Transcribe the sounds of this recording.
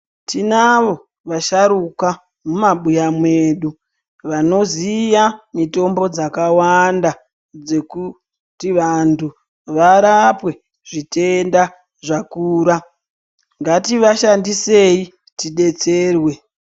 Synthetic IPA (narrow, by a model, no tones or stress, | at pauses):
tinaʋo̞ | ʋaʃaɾuka | mumaɓujamwe̞ːɗu | ʋano̞zijamito̞mbo̞d͡zakawanda | d͡ze̞ku | tiʋantʰu | ʋaɾapwe̞ | ʐite̞nda | ʐakuːɾa | ŋɡatiʋaʃandisei | tiɗe̞t͡se̞ːrwe̞